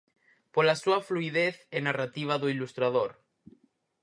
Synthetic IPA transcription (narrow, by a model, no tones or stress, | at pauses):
polasuafluiðeθenarat̪iβ̞aðuilust̪ɾað̞oɾ